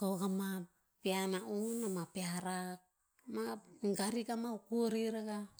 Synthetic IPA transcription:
kawɡama | pianaunamapeaɾak̚ | maɡaɾikamaukuoɾiɾaɡa

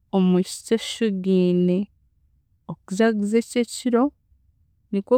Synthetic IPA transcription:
omuci̥teʃuɡiːne | okuzaɡuzececiɾo̞ | niko

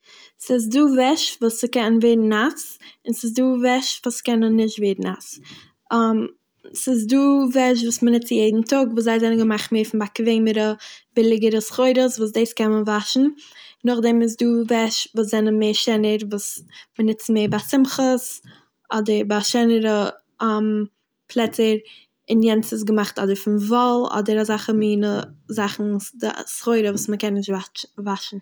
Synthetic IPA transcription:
sɪs̬duːvɛʃvuːsɪkɛnnveɾn̩asɪnsɪs̬duːvɛʃvuːskɛnənːɪʃtveːɾn̩as | m | sɪs̬duːvɛʃ̬vuːsmənɪt͡sjeɪdn̩tʊkvuːszaɪzɛnənɡəmaχtmeːɾfɪnbakveɪməɾəbɪlˠɪɡəɾəsχoɪɾəsvuːs̬deɪskɛnənvaʃn̩nʊχdɛmɪs̬duːvɛʃvuːs̬zɛnəmeːɾʃɛnəɾvuːsmənɪt͡sn̩meːɾbaːsɪmχəs | ɔdəɾbaʃɛnəɾə | m | pʰlˠɛtəɾ | ɪnjɛnt͡sɪs̬ɡəmaχtɔ̰dəɾfɪnvɔlˠɔ̰dəɾazaχəmiːnəzaχn̩də̰sχoɪɾəvuːsməkɛnːɪʃtvavaʃn̩

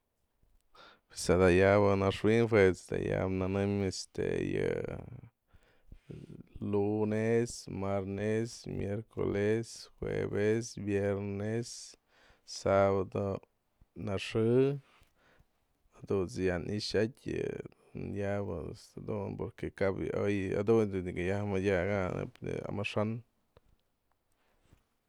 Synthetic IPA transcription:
pesad̪ajabanaʂwinfwet͡sd̪a̰jabnanɨmest̪ḛja | lunesmaɾnesmjeɾko̰lesxwḛbesbjeɾnes | sabad̪o | naʂɨ | ad̪ut͡sjanʔiʃatʲ | njabasad̪unpoɾkekaboja̰d̪und̪uiɡajamajaɡanḛpa̰maʂan

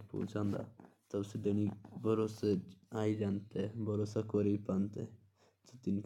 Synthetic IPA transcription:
po̰ːd͡ʒãːnd̪a̰ | t̪əbsed̪eñibʱəɾoːseaːid͡ʒãːnt̪ebʱəɾoːsakɔɾepãːnt̪e | t̪ot̪ɪnk

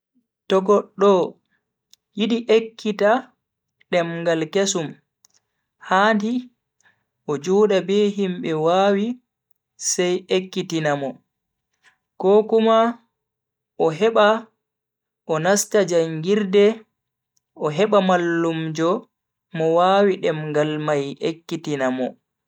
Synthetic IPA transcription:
tɔɡɔɗːɔ | jiɗiʔekʰːita | ɗɛmɡalkesum | handi | ʔɔd͡ʒuːɗabeːɦimɓɛwaːwi | sɛjekːitinamɔ | kɔkuma | ʔɔɦɛɓa | ʔɔnastad͡ʒaŋɡiɾdɛ | ʔɔɦɛɓamalːumd͡ʒɔ | mɔwaːwiɗɛmɡalmajʔekːitinamɔ̰

